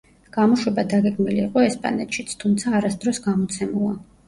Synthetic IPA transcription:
ɡ̥amɔʃwɛbad̪aɡɛɡmiliːqʼɔɛspʼa̰nɛt̪ʃit̪sʰt̪ʰumt̪sʰaːɾasd̪ɾɔsɡamɔt̪sʰɛmulˠa

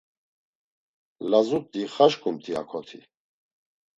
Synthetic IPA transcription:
lazut̪ːiχaʃkʰʼumt̪ʰia̰kʰɔt̪ʰi

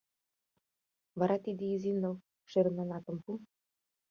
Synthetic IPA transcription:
vɑɾɑt̪id̪eizinɤ̆l | ʃeɾə̆nɑnɑt̪ə̆mpu

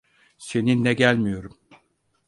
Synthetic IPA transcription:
se̞ninːɛɟælʲmijo̞ɾum

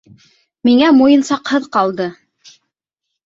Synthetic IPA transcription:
miŋæmujɤ̆nsɑqhɤðqɑlˠd̪ɤ

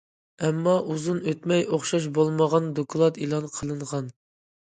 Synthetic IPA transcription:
ɛmːɑʔuzunøt̪mɛjoχʃɑʃ̬bolˠməʁɑnd̪okʰlˠɑt̪ilˠɑnqʰəlˠɨɴʁɑn

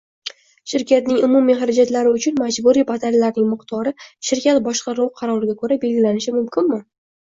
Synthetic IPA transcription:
ʃɪɾkʲat̪nɪŋʊmumijχaɾad͡ʒat̪laɾɪʊt͡ʃʰʊnmad͡ʒbuɾipʰat̪ʰaɾlaɾnɪŋmɨqt̪ʰɒɾɪʃɪɾkʲat̪bɒʃqʰɑɾuwqʰɑɾɒɾɪɡʲakʰɵɾabe̞lɡʲɪlanɪʃɪmʊmkʰʲɪnmɪ

